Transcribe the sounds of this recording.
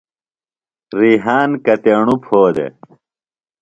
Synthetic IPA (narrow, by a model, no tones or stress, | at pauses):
ɾiɦaːnkɐt̪eɳupʰoːd̪ḛ